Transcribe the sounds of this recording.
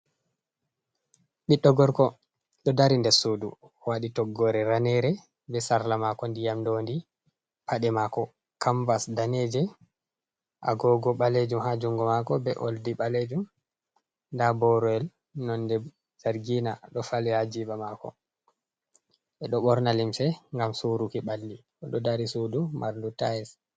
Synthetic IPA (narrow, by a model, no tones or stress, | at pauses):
ɓiɗːɔɡɔɾkɔ | ɗɔdaɾindɛɾsoːdu | waɗitɔɡːɔɾɛɾanɛɾɛ | bɛsaɾlamakɔndijamdondi | pʰaɗɛmakɔ | kʰambasdaned͡ʒɛ | ʔaɡɔɡɔɓaled͡ʒumhad͡ʒuŋɡɔmakɔbɛʔo̰ldiɓaled͡ʒum | ndabɔɾɔɛl | nɔndɛ | zaɾɡina̰ɗɔfalɛhad͡ʒibamakɔ̰ | ʔɛɗɔɓɔɾnalimsɛŋɡamsuɾukiɓalːiʔɔɗɔdaɾisudumaɾndutaɛs